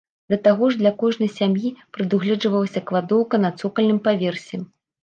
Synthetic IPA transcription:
d̪lʲɐt̪aɣɔʐd̪lʲɐkɔʐnɨjsʲamjipɾɨd̪uɣlʲɛd͡ʐɨvɐlˠɐsʲɐkvad̪ɔwkɐnɐt̪sɔkɐlʲnɨmpavʲɛrsʲɛ

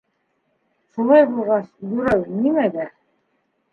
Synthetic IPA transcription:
ʃulˠɑjbulˠʁɑsb̪ɵ̆ɾæwnimæd̪æ

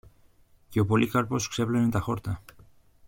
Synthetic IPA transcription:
keopolʔikaɾposkseβlenent̪axoɾt̪a

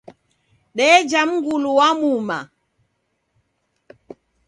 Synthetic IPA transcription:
ɗɛd͡ʒam̩ŋɡuluwamuma̰

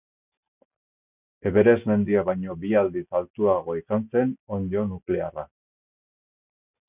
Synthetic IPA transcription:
e̞βe̞ɾe̞zme̞nd̪iaβajɲo̞biald̪isalt̪uaɣo̞isanse̞no̞ndo̞nukle̞ara

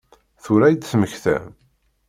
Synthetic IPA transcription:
θuɾæjd̪sməçθæ̰m

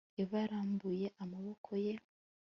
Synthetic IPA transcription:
eβaɾaːmbuje̞ʔamaβo̞kʰo̞je̞

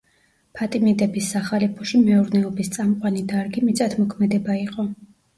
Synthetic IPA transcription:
pʰat̪ʼimid̪ɛbisːaχalipʰɔʃimɛuɾnɛɔbist̪sʼamqʼwanid̪aɾɡimit̪sʼat̪ʰmɔkʰmɛd̪ɛbaiqʼɔ

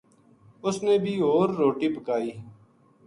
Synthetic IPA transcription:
ʊsneːbʱiːɦoːɾːoːʈiːbʱəkaːiː

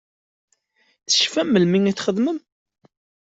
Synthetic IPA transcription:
θə̥ʃfæmːəlmiŋit͡sːχəðməm

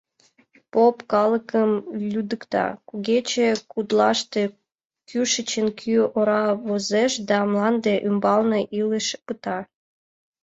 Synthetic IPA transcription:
popkɑləkəmlʲud̪əkt̪ɑ̰kuɣet͡ɕekud̪lɑʃt̪e | kyʃət͡ɕənkʰyoɾɑβozeʃd̪ɑmlɑnd̪eʔymbɑlnɤʔiləʃpɨt̪ɑ

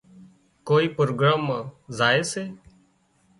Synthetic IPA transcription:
koːiːpɾoːɡɾaːmazaːeːseː

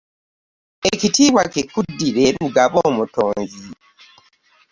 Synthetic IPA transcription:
ecitiːβwakekudːiɾeuɡaβoːmutoːnzi

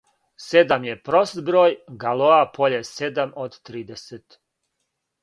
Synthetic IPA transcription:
sed̪amjepɾost̪bɾoːjɡaloapʰo̞ʎesed̪amod̪t̪ɾiːd̪eset̪

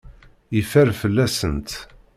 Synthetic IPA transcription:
ifæɾfəlːæsənt̪

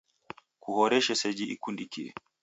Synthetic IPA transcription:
kuhɔɾɛʃɛsɛd͡ʒiʔḭkundikiɛ̰

